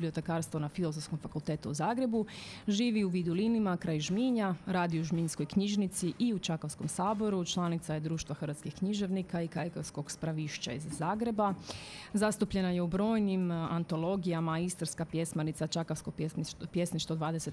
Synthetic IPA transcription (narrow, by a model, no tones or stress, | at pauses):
bliot̪ekaːɾst̪ʋonafilozofskomfakulˠt̪eːt̪uuzaːɡɾe̞buʒiːʋiuʋiːd̪ulinimakɾajʒmiɲaɾaːd̪iouʒminsko̞jkɲiʒnit̪siʔiut͡ʃakofsko̞msaːbo̞ɾut͡ʃlˠanit̪sajed̪ɾuːʃt̪vʋaxəɾʋat̪skixkɲiʒe̞ʋnikaikajkofsko̞ɡspɾaʋiːʃt͡ɕa̰izːaːɡɾe̞bazast̪upʎe̞naje̞ubɾo̞ːjnimant̪o̞lˠo̞ɡijamaist̪rskapje̞smanit̪sat͡ʃakaskoepje̞sniʃt̪od̪ʋaːd̪e̞se̞t̪